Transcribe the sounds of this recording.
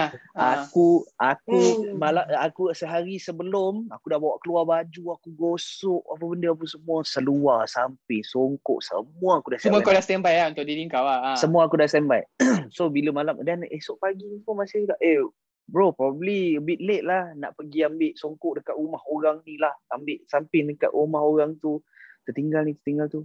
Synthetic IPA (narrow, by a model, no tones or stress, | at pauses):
akuakumalaakusəɦaɾisəbəlʊmakudahbawaʔkəluarbad͡ʒuakuɡosɔʔapabəndəap̬unsəmũasəluarsampɪŋsoŋkʊ̰ʔsə̰muaːkudassəmuakadast̪ɛmbajaunt̪ʊʔdidiŋkawasəmuaːkudast̪ɛmbajʔsobiləmalamdanesoʔpaɡinipunmasɪhkaʔe | bɾopɾɔbəbliəbɪʔ̪̚leʔ̪̚lahna̰ʔpəɡiambɪʔsoŋkʊʔdəkat̪umahoɾaŋnilahambɪʔsampɪŋdəka̰ʔ̪umahoɾaŋt̪u | t̪ət̪iŋɡalnit̪ə̥t̪iŋɡalt̪u